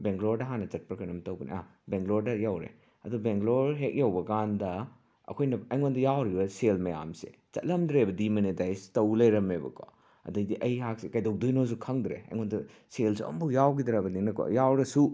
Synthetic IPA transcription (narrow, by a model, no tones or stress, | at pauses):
beŋɡloɾdɐɦanɐt͡ʃɐt̚pɾɐkʰɐnɐmtɐwbɐnḭʔa̰beŋɡloɾdɐjawɾḛ | ɐdubeŋɡloɾɦek̚jawbɐkandɐ | ɐ̰kʰojnɐɐjŋondɐjawɾibɐselmɐja̰msḛt͡ʃɐ̰t̚lɐmdɾebɐdimɐnidajstɐwlɐjɾɐmebɐ̰ko̰ | ɐ̰dɐjdiʔɐjhak̚sekajdowk̚dojnos̬ukʰɐŋdɾḛɐ̰jŋondɐ | selsuɐ̰mbujawɡidɾabɐniŋnɐko̰jawɾɐsu